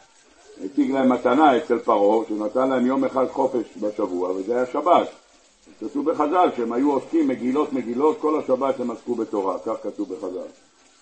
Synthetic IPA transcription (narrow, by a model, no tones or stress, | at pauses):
net͡siɡlae̞mat̪anae̞t͡selpaʁo̞ʃenat̪anlahe̞mjo̞meχad̪χo̞fe̞ʃbaʃavuavezeajaʃabat̪ | akat̪uvbe̞χazalʃeemhajuoskimːe̞ɡilo̞t̪me̞ɡilo̞t̚ko̞laʃabat̪hemaskube̞t̪o̞ʁakaχkat̪uvbe̞χaza̰l